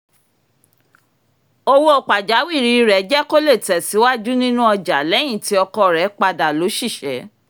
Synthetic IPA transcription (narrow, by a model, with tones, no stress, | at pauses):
o˧wo˦o˨k͡pa˨d͡ʒa˨˦wi˦˨ɾi˨˦˧ɾɛ˨˦d͡ʒɛ˦ko˦le˦˨tɛ˨si˨˦wa˦d͡ʒu˦nĩ˦nũ˦ɔ˧d͡ʒa˨˦lɛ˨˦j̃ĩ˦˨ti˨˦ɔ˧kɔ˧˨ɾɛ˨˦k͡pa˧da˨lo˨˦ʃi˦˨ʃɛ˨˦